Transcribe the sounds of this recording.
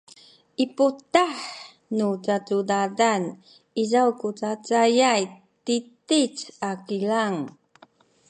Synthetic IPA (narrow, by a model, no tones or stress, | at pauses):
ʔiputaħ | nut͡satudadan | izawkut͡sat͡sajaj | titit͡sakilaŋ